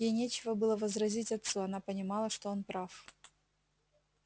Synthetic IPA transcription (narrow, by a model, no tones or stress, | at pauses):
jejnʲet͡ɕɪvəbɨlˠəvəzrɐzʲitʲɐt̪suɐnapənʲɪmɑlˠəʂt̪o̞onpɾaf